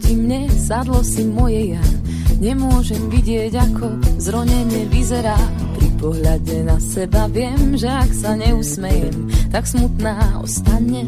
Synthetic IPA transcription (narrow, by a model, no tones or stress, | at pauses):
ɟimɲɛzad̪lɔsimɔjɛja | ɲɛmʊɔʒɛmviɟɪɛɟakʰɔzɾɔɲɛɲɪɛʋizɛɾaː | pɾipɔɦʎaɟɛnasɛbaʋɪɛmʒɛaksaɲɛusmɛjɛmt̪aksmut̪naːɔ̰st̪aɲɲɛ